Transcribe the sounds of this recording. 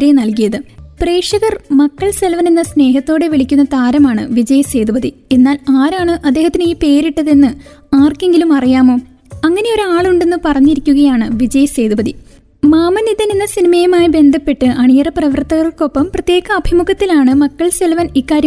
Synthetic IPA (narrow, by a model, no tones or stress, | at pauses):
ɾenɐlkijɐðɨpre̞ːʂɐɣɐrmɐkːɐɭse̞lʋɐnenːɐsne̞ːɦɐt̪ːo̞ːɽe̞ʋiɭikʲːunːɐt̪aːɾɐmaːɳɨʋid͡ʑɐjse̞ːd̪ubɐðie̞nːaːlaːɾaːɳɨʔɐd̪ːe̞ːhɐt̪ːiniːpe̞ːɾiʈːɐðenːɨaːrke̞ŋɡilumɐrijaːmo̞ː | ɐŋːɐne̞o̞ɾuaːɭuɳɖe̞nːɨpɐrɐɲːiɾikʲːuɣɐjaːɳɨʋid͡ʑɐjse̞ːd̪ubɐði | maːmɐnid̪ɐnenːɐsinimɐjɐmaːjibe̞nd̪ʱɐpːe̞ʈːɨʔɐɳijɐrɐprɐʋɐrt̪ɐɣɐrɭko̞pːɐmprɐt̪jeːɣɐːbʱimuɣɐt̪ːilaːɳɨmɐkːɐɭselʋɐnikːaːɾjɐ